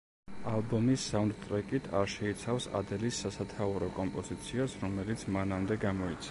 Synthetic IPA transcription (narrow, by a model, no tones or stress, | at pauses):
alˠbɔmisːavnd̪t̪ʼɾɛkʼit̪ʰaɾʃɛit̪sʰafsa̰d̪ɛlisːasat̪ʰauɾɔkʼɔmpʼɔz̥it̪sʰiasɾɔmɛlit̪sʰmanamd̪ɛɡamɔit̪sʰ